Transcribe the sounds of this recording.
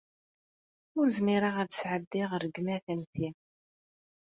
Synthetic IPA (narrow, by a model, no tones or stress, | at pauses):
ʊɾzmiɾaʁæðsʕəd̪ːiʁɾəɡmæθæmθi